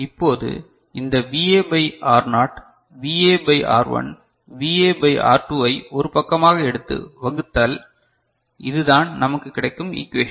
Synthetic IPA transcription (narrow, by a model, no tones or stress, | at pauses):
ɪpːoːðɯ̰ | ɪnd̪ɐʋiːeːbɐɪaːɾnaːʈ | ʋiːeːbɐɪʔa̰ːɾʋɐ̰n | ʋiːeːbɐɪʔa̰ːɾʈuːɐɪɔɾɯpɐkːɐmaːɣɐɛɽɯt̪ːɯ̰ʋɐɣɯt̪ːaːl | ɪðɯðaːnnɐmɐkːɯkːɪɽɐɪkːɯmḭːkːʋeː